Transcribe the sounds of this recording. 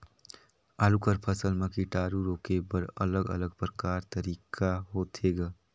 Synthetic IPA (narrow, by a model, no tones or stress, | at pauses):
aːlukəɾpʰəsəlmekiʈaːɾuɾoːkebəɾə̰ləɡə̰ləɡ̚pɾəkaːɾt̪əɾikʰaɦot̪ʰeɡa